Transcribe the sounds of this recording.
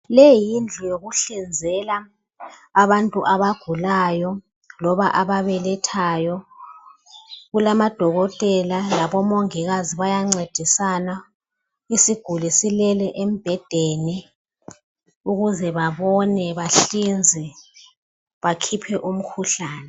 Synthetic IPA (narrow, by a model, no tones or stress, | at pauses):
lɛjind͡ɮʱɔjoɣuɬind͡zʱɛlaː | βantʼuʔaβaɡ̥ʱulajɔ | lɔβaʔaβaβɛlɛtʰajɔ | ɣulamad̥ʱɔɣɔtʼɛlalaβɔmoŋiɣaziβajaŋ͡ǀed̥ʱisana | isiɡ̥ʱulisilɛlɛʔem̩b̥ʱɛd̥ʱeni | uɣuzɛβaβɔnɛβaɬind͡zʱɛ | βakʰipʰɛʔum̩kʰuɬaːnɛ